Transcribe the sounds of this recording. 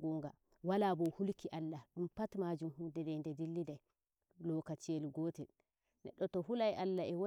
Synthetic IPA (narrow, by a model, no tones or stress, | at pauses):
ɡɔŋɡa | walabɔhulkiʔalːaɗumpatmad͡ʒumhudɛdɛndɛdilːidaj | lɔkat͡ʃiɛlɡɔːtɛ | nɛɗːɔtɔhulajʔalːaɛwo